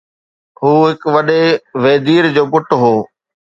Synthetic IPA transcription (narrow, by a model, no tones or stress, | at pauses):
ɦuːɦɪkʋɐɗeʋeːd̪iːɾd͡ʑoːpʊʈɦoː